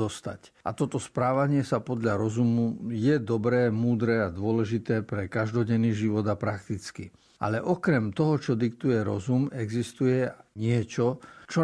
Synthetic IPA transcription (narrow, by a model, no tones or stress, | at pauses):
ɔst̪a̰ca̰t̪ɔt̪ɔspɾaːʋaɲɪɛsapɔd̪ʎaɾɔzumujɛd̪ɔbɾɛːmuːd̪ɾɛːad̪ʊɔlɛʒit̪ɛːpɾɛkaʒd̪ɔɟɛnːiːʒiʋɔd̪apɾakt̪it͡skḭ | a̰lɛʔɔkɾɛmt̪ɔɦɔt͡ʃɔd̪ikt̪ujɛɾɔ̰zumɛɡzist̪ujɛɲɪɛt͡ʃɔt͡ʃɔ